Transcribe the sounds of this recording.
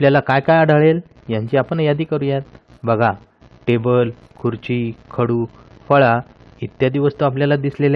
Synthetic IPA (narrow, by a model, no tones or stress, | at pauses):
apljalakajkajaɽəɭel | jãɲt͡ɕiːapəɳjad̪iːkəɾũjet̪̚ | bʱəɡʱa | ʈebəl | kʰuɾt͡ɕikʰəɽuː | fəɭa | it̪ːjad̪iʋəst̪oap̬ljalad̪islelẽ